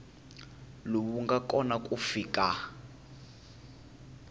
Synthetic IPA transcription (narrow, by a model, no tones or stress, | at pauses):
loɓuŋɡakʼɔnakʼufiːkʼa